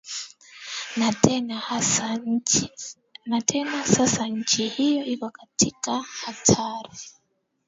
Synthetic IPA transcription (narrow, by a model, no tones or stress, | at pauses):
natn | natʰenasasaɲcehijoiβakatʰikahatʰaːɾi